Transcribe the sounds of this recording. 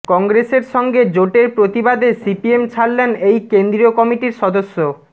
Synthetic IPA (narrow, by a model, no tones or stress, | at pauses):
kɔŋɡɾeseɾʃɔŋɡed͡ʑoʈeɾpɾot̪ibad̪esipiemt͡ɕʰalːenejkend̪ɾiokɔmiʈiɾʃɔd̪oʃːo